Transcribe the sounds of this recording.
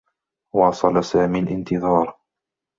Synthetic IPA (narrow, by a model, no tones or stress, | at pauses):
wɑːsˤɑlasaːmiːlʔɪnt̪ɪðˤɑːɾˤ